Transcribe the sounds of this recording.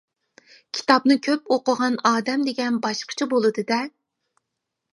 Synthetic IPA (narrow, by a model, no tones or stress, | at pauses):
kʲʰi̥t̪ɑpnɨkʲʰøpoqəʁɑnɑːd̪ɛmd̪eɡʲɛnbɑʃqʰə̥t͡ʃʰibolˠɨd̪ɨd̪ɛ